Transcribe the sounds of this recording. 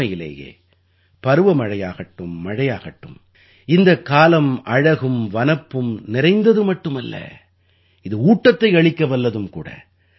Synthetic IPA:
ɐjɪlɐ̰ːjḛː | pɐɾɯʋɐmɐɻɐjaːɣɐʈːɯmːɐɻɐjaːɣɐʈːɯm | ɪnd̪ɐkːaːlɐmʔɐɻɐɣɯmʋɐnɐpːɯmnɪɾɐɪnd̪ɐðɯmɐʈːɯmɐlːɐ̰ | ɪðɯuːʈːɐt̪ːɐɪɐɭɪkːɐʋɐlːɐðɯmkṵːɽɐ̰

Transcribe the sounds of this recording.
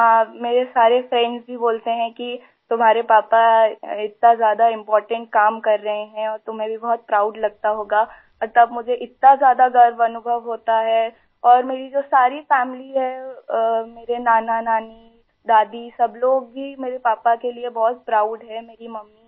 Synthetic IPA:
ɦãːmeːɾesaːɾefɾɛ̃ɳɖzbʱiboːlt̪eɦɛ̃ki | t̪ʊmɦaːɾepaːpaɪt̪̚nazjaːd̪aɪ̃mpɔːɾʈə̃ɳʈ̚kaːmkɐɾːɐɦeɦɛ̃ɔːɾt̪ʊmɦẽbʱibɔɦɔt̪̚pɾaːʊɖlɐɡ̚t̪aɦoːɡaː | mɐɾt̪ɐbmʊd͡ʒʱeʔɪt̪nazjaːd̪aɡɐɾʋɐnʊbʱəʋɦoːt̪aɦɛ | ɔːɾmeːɾid͡ʒoːsaːɾifɛːmɪliɦɛ | meːɾenaːnanaːni | d̪aːd̪isɐbloːɡ̚bʱimeːɾepaːpakeliebɔɦɔt̪̚pɾaːʊɖɦɛmeːɾimɐmːi

